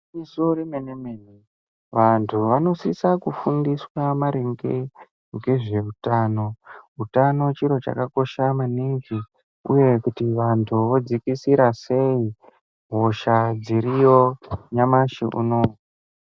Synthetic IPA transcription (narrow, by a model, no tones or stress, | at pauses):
isoɾemenemeːne | ʋantʰuʋano̞sisakufundiswamaɾeŋɡe | ŋɡe̞ʐe̞utaːno̞ɦutano̞t͡ʃiɾo̞t͡ʃa̰kako̞ʃamaniŋɡi | ṵje̞kutiʋantʰuʋo̞d͡zikisiɾase̞i | ɦoʃad͡ziɾijo̞ɲamaʃiʔṵnoːa